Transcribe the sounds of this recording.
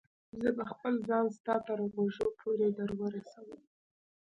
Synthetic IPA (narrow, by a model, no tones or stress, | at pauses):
zəbaxpəlzɑnst̪ɑt̪əɾɣoʒopʰoɾed̪əɾwəɾasawəm